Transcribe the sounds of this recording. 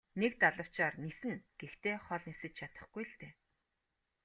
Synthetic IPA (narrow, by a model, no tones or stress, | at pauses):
nek̚t̪aɮə̆w̥t͡ɕaːrnisɘ̆nɡ̥ext̪eːχɔɮnisɘ̆t͡ɕt͡ɕʰat̪ə̥̆χɡ̥ujɬt̪eː